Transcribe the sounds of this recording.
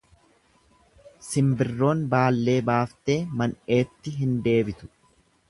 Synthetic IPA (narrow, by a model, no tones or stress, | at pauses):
sɪmbɪrːo̞ːnbaːlːe̞ːbaːft̪e̞ːmɐne̞ːt̪ːɪɦɪnd̪e̞ːbɪt̪ʊ̥